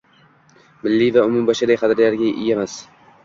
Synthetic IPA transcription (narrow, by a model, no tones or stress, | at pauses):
mɪlːivaʊmʊmbɒʃad̪ajqʰɑd̪ɾlaɾɡʲaɪ̰jemas